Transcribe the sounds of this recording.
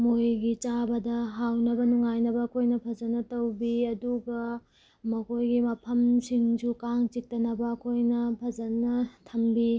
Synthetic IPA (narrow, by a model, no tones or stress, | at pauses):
mojɡit͡ʃabɐdɐɦawnɐbɐnuŋajnɐbɐːkʰojnɐpʰɐzɐnːɐtɐwbiɐduɡɐ | mɐkojɡimɐpʰɐmsiŋsukaŋt͡ʃik̚tɐnɐbɐːkʰojnɐpʰɐd͡ʒɐnɐtʰɐmbi